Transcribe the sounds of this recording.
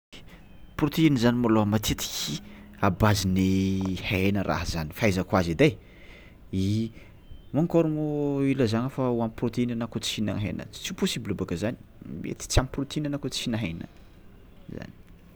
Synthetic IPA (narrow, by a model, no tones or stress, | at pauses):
prot̪einizanimaloɦamat̪it̪i̥kʲi | abazinehenəɾʔa̰ɦza̰ni̥fajzəkwazid̪aj | i | maŋkɔɾumoiləzaŋəfauamprot̪einanakot͡si̥ina̰ɦḛnə̰̥t͡siuposibilabakəzani̥mḛt̪i̥t͡siamprot̪einanakot͡si̥inaɦḛnə̰ | za̰ni̥